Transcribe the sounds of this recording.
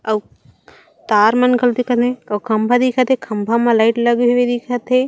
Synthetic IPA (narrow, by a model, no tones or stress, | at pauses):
ɐw | t̪aːɾmɐnkɐlt̪ikʰɐt̪ẽɐwkʰɐmbʱad̪ikʰat̪ekʰɐmbʱamalaɪʈlɐɡʱiʋed̪ikʰat̪e